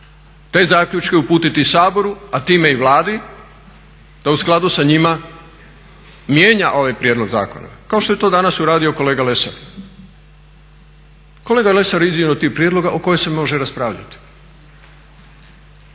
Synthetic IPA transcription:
t̪e̞ːzaːkʎut͡ʃke̞upuːt̪it̪isaːbo̞ɾuat̪iːme̞iʋlˠaːd̪i | d̪̥ausklˠad̪usaɲima | mje̞ːɲaʔo̞ʋajpɾjed̪lo̞ɡza̰ːko̞̰na̰kao̞ʃt̪o̞je̞t̪o̞ːd̪anasuɾaːd̪io̞ko̞le̞ːɡale̞sa̰ɾ | ko̞leːɡale̞saɾizinot̪ixpɾijed̪lˠo̞ɡaʔoko̞jese̞mo̞ʒeɾaspɾaːʋʎa̰t̪i̥

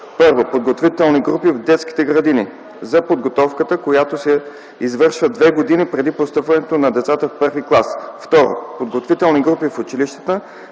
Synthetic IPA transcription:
pɤɾvopod̪ɡot̪vit̪ɛlˠniɡɾupivd̪ɛt̪ski̥t̪ɛɡɾɐd̪ini | zɐpod̪ɡot̪ɔfkət̪əkojat̪osɛ | izvɤɾʃvəd̪vɛɡod̪inipɾɛd̪ipost̪ɤpvɐnɛt̪onɐd̪ɛt̪sat̪əfpɤɾviklˠasft̪ɔɾo̰pod̪ɡot̪vit̪ɛlˠniɡɾupifʊt͡ʃiliʃt̪ə̥t̪ə

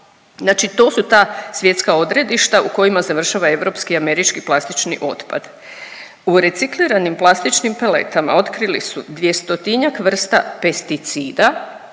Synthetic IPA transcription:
znaːt͡ʃit̪o̞ːsut̪aːsʋje̞t̪skao̞d̪ɾe̞d̪iʃt̪auko̞jimazaʋr̩ʃaʋae̞ʋɾo̞pskiame̞ɾit͡ʃkiplˠast̪it͡ʃnḭʔo̞t̪pa̰d̪̥ | uɾe̞t̪sikliɾanimplˠast̪it͡ʃnimpele̞̰t̪ama̰o̞t̪kɾilisud̪ʋjest̪o̞t̪iɲakʋr̩st̪a̰pe̞st̪it̪siːd̪a

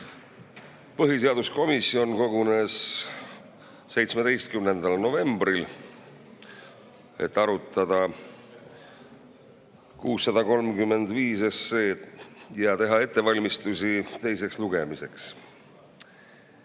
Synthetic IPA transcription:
pɤɦise̞ɑd̪̥usko̞misːio̞nko̞ɡune̞s | e̞jt̪sme̞d̪e̞jst̪̚kymne̞nd̪̥ɑlno̞ve̞mbɾil | e̞̰t̪ːˑɑɾut̪ːˑɑd̪̥ɑ | kuːsːɑd̪̥ɑko̞lmkymːe̞nd̪viːsesːeːjɑt̪e̞ɦɑe̞t̪ˑːe̞vɑlʲmist̪usit̪e̞js̬e̞ksluɡ̥e̞mise̞ks

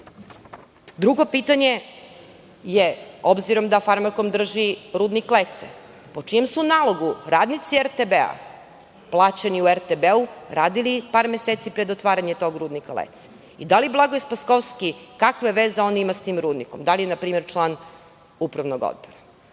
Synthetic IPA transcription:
d̪ɾuɡo̞piːt̪aɲe̞ | jeobziɾo̞md̪afaɾmako̞md̪r̩ʒiɾuːd̪niklet̪se | pot͡ʂijemsunaːlˠo̞ɡuɾaːd̪nit̪sieɾt̪ebea̰ | plˠaːt͡ɕaniueɾt̪ebeuɾaːd̪ilipaːɾmeset̪sipɾe̞d̪ot̪ʋaːɾaɲet̪o̞ɡɾuːd̪nikalḛt̪se̥ | id̪aliblˠaɡoespaskoʋskikakʋeʋeːzeo̞nimast̪iːmɾuːd̪nikomd̪alijenapɾiːmeɾt͡ʃlˠaːn | upɾaʋno̞ɡo̰d̪̚boɾa

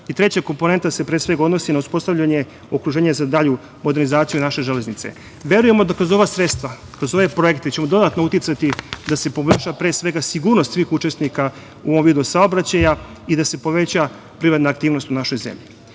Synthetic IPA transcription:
it̪ɾe̞t͡ɕako̞mpo̞ne̞nt̪ase̞pɾe̞ːsʋe̞ɡaod̪nosinauspo̞st̪aʋʎaɲe̞ | okɾuʒe̞ːɲezad̪aʎu | mod̪e̞ɾnizaːt̪sijunaʃe̞ʒele̞znit̪se̞̰ | ʋe̞ɾuje̞mo̞d̪akɾo̞zo̞ʋasɾe̞t̪st̪ʋa | kɾozo̞ʋe̞pɾo̞ekt̪et͡ɕe̞mo̞d̪o̞d̪at̪nout̪it̪sat̪id̪ase̞po̞meʃapɾe̞ːsʋe̞ɡasiɡuːɾnost̪sʋiːxut͡ʃe̞snika | uoʋo̞mviːd̪usaobɾat͡ɕaja | id̪ase̞po̞ʋe̞t͡ɕa | pɾiʋat̪naːkt̪iːʋno̞st̪unaʃo̞jzḛmʎi

